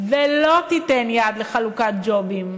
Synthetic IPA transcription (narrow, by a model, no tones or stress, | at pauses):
velot̪itenjad̪leχalukat̪̚d͡ʒo̞bim